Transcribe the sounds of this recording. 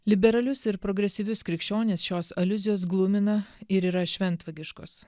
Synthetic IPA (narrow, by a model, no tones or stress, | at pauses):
lʲɪbʲɛɾɐlʲʊsɪɾpɾoɡɾʲɛsʲiʋʲʊskɾʲɪkʃʲt͡ʃʲoːnʲeːsʃʲoːsɐlʲʊzʲɪjoːs̬ɡlˠʊmʲɪnɐɪɾiːɾɐʃʲʋʲɛnˑt̪ʋɐɡʲɪʃko̰ːs